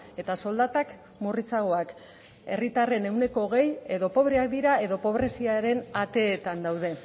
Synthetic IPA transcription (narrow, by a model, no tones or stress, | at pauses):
e̞t̪aso̞ld̪at̪ak | murit͡saɣ̞o̞ak | e̞̰rit̪are̞ne̞wne̞ko̞ɣe̞je̞ðo̞po̞βɾeak̚d̪iɾae̞ðo̞po̞βɾe̞siaɾe̞nat̪e̞ːt̪and̪awð̞e̞